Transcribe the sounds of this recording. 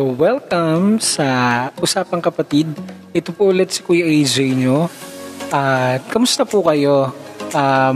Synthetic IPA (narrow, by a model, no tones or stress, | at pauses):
owɛlkɐmsɐʔʊsaːpɐŋkɐpɐt̪id̪̚ | ʔɛt̪opoʔʊlɛt̪sɐ̥kujʔed͡ʒɛjɲoʔɐt̪̚kɐmʊst̪ɐpukɐjo̞ʔa